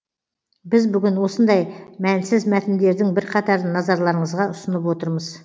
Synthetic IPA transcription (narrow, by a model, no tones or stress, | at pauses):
bɪzbʏɡʲɪnwo̞sənd̪ɑjmænsɪzmæt̪ɪnd̪e̞ɾd̪ɪŋbɪɾqʰɑt̪ɑɾənɑzɑɾlˠɑɾəɴəzʁɑʊsənəp̬wo̞t̪əɾməz̥